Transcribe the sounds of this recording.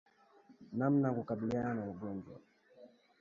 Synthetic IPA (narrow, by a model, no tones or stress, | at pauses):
namnakukaɓiliananauɠɔnd͡ʒwa̰